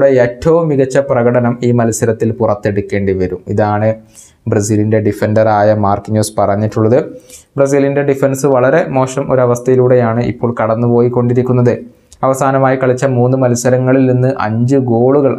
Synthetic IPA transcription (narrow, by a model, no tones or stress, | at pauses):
ɽeeːtːɐʋumːiɣɐt͡ɕːɐprɐɣɐɽɐnɐmiːmɐlɐsɐɾɐt̪ːilpurɐt̪ːe̞ɽukʲːe̞ːɳɖiʋɐɾumiðaːɳɨ | brɐs̬iːlinde̞ɖife̞ndɐraːjɐmaːrkɲjuːspɐrɐɲːiʈːuɭːɐðɨbrɐs̬iːlinde̞ɖifensɨʋɐɭɐɾe̞mo̞ːʂɐmo̞ɾuɐʋɐst̪ʰɐjiluːɽe̞jaːɳɨʔḭpːo̞ːɭkɐɽɐnːupo̞ːjiko̞ɳɖiɾikʲːunːɐðɨ | ɐʋɐsaːnɐmaːjikɐɭit͡ɕːɐmuːnːɨmɐlsɐɾɐŋːɐɭilninːɨʔɐ̰ɲd͡ʑɨɡo̞ːɭuɣɐɭ